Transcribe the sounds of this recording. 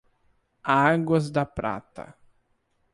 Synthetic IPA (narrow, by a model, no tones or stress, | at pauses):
aɡwɐzd̪ɐpɾa̰t̪ɐ̰